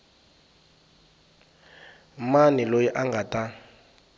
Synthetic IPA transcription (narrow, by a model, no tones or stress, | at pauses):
manilojiʔaŋɡata